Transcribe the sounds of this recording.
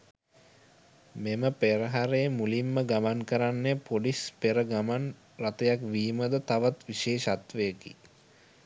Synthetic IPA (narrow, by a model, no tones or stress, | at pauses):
meməpeɾəɦaɾemulimːəɡamaŋkəɾanːepoɖispeɾəɡaman | rat̪əjakʋiːməd̪ət̪aʋat̪ʋiʃeːʃat̪ʋəjəkḭ